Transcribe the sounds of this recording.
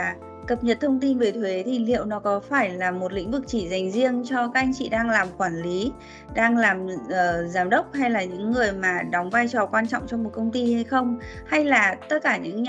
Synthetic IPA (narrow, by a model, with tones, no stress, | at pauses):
kə˨˩p̚ɲə˨˩t̚t̪ʰə˧wŋ͡mt̪i˧nve˨˩jt̪ʰwe˨˦t̪ʰi˨˧˩lḭ˧˨ə˨wnɔ˨˦kɔ˨˦faː˧˩jlaː˨˩mo˨˩t̚lḭ˧˥ŋ̟vɨ˨˩k̚t͡ɕi˧˩za˨˩jŋ̟zi˧əŋt͡ɕɔ˧ka˦˥k̚ʔa˧jŋ̟t͡ɕḭ˧˨ɗaː˧ŋlaː˨˩mxwaː˧˩nli˨˦ | ɗaː˧ŋlaː˨˩mʔəː˨˩zaː˨˦mɗə˦˥wk͡p̚ha˧jlaː˨˩ɲɨ̰˧˥ŋːɨ˨˩əjmaː˨˩ɗɔ˨˦wŋ͡mvaː˧jt͡ɕɔ˨˩kwaː˧nt͡ɕɔ̰˧˨wŋ͡mt͡ɕɔ˧ŋ͡mmo˨˩t̚kə˧wŋ͡mt̪i˧ha˧jxə˧wŋ͡m | ha˧jlaː˨˩t̪ə˦˥t̚kaː˧˩ɲɨ̰˧˥ŋ